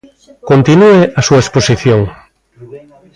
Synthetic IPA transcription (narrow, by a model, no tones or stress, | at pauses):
kont̪inueʔasuaesposiθjoŋ